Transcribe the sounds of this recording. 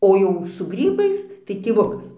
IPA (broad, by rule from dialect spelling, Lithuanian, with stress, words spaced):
oː ˈjɛʊ sʊ ˈɡrʲiːbɐɪs tɐɪ tʲeːˈʋʊkɐs